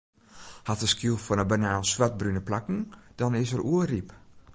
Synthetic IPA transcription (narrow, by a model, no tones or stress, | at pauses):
hatəskjulˠfɔnəbanaːnsʋat̚brynəplakn̩d̥ɔnɪsərʔuərip